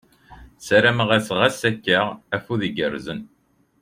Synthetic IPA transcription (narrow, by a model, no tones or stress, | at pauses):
sæɾæməʁæsʁæsækːəʁæfuðiɡəɾzən